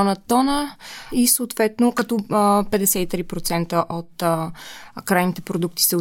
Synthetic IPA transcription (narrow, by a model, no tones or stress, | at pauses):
nət̪ɔnəisoːt̪vɛt̪nokɐt̪ɔpɛd̪ɛsɛt̪it̪ɾipɾot̪sɛnt̪əʔot̪ | kɾajnit̪ɛpɾod̪uk̚t̪i̥sɛ